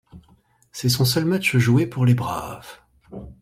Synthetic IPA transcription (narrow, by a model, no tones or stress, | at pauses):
sɛsɔ̃s̬œlmat͡ʃʒuepuʁlebʁa̰ːv̥